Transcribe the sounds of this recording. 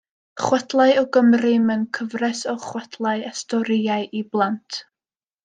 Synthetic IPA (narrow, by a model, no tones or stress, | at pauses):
χwɛdlˠaɨɔɡəmrɨmənkʰəvrɛsɔχwɛtʰlˠaɨastɔɾɪaɨʔiblˠantʰ